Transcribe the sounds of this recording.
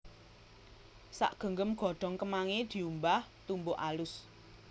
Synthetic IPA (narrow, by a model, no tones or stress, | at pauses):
sa̰ʔɡ̥ə̤ŋɡəmɡ̥ɔ̤ɖ̪̥ɔ̤ŋkəmaŋed̪̥i̤umbaht̪umboʔalʊs